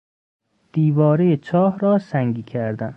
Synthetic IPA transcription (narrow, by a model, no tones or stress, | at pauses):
d̪̥iːvɒːɾejet͡ʃʰɒːhɾɒːsæŋɡiːkʲʰæɾd̪æn